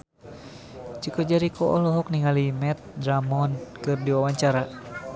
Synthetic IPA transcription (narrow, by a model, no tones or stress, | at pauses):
t͡ʃikɔd͡ʒaɾikʰɔʔɔ̰hlɔɦɔk̚niŋalimɛt̪̚dɾamɔnkɨrdiwawaɲt͡ʃaɾa